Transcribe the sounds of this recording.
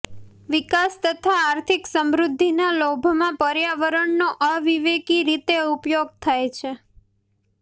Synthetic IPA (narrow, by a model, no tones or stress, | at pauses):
ʋikast̪ət̪ʰaːɾt̪ʰiksəmɾud̪ʱːinalobʱmãpəɾjaʋəɾəɳnoʔəʋiʋekiɾit̪eupjoɡ̚t̪ʰajt͡ʃʰe